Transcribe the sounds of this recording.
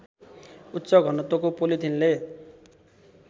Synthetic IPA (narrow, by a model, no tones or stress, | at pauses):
ut̪ːsʌɡʱʌnʌt̪okopolit̪ʰinle